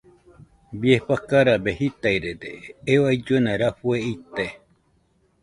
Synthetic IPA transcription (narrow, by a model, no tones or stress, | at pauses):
biepakaɾabehit̪ajɾed̪eewajd͡ʒuenãɾaɸueit̪e